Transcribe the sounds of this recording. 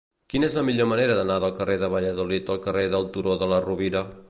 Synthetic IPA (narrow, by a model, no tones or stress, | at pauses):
kinezləmiʎoməneɾəðənaðəlˠkəreðəβəʎəðulit̪əlˠkəreðəlˠt̪uɾoðələruβiɾə